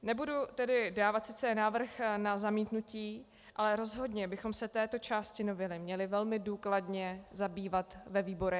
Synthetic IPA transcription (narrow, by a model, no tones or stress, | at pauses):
nɛbudut̪ɛdɪdaːvat̪sɪt͡sɛnaːvr̩xnazamiːt̪nuciː | ʔalɛɾo̞zɦo̞dɲɛbɪxo̞msɛt̪ɛːt̪o̞t͡ʃaːscɪnovɪlɪmɲɛlɪvɛlmɪduːkladɲɛzabiːvat̪vɛviːbo̞ɾɛ